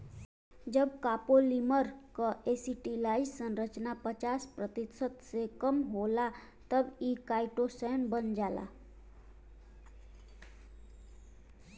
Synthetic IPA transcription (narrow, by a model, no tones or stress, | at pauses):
d͡ʒəbkapoliməɾkəʔesiʈilaisə̃nɾət͡ʃnapət͡ʃaspɾət̪isət̪sekəmɦola | t̪əbikaiʈosɛnbənd͡ʒala̰